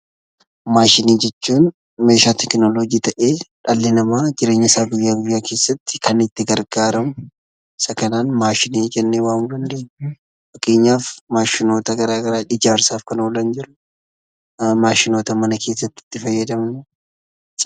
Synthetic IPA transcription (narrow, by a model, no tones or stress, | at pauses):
maːʃɪniːd͡ʒɛt͡ʃːuːn | me̞ːʃaːt̪ʰɛknoloːɡiːt̪ɐʔeːᶑɐlːɪnɐmaːd͡ʒɪɾe̞ːɲːɪsaːɡʊjːaːɡʊjːaːke̞ːsːɐt̪ːɪ̥kʰɐnɪt̪ːɪɡɐɾɡaːɾɐmʊ | ɪsɐkɐnaːnmaːʃɪniːd͡ʒɛnːeːwaːnɡ̪ɐnd̪eː | fɐkʼe̞ːɲːaːfmaːʃɪno̞ːt̪ɐɡɐɾaːɡɐɾaːʔɪd͡ʒaːɾsaːfkɐnoːlɐnd͡ʒɪɾʊ | maːʃɪnoːt̪ɐmɐnɐkʰe̞ːsːɐt̪ːɪ̥t̪ːɪfɐjːɐd̪ɐmnʊ